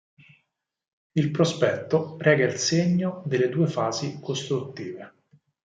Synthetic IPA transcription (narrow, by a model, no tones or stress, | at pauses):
ilpɾospɛt̪ːorɛːɡailseɲːod̪eled̪uːefaːzikost̪ɾut̪ːiːve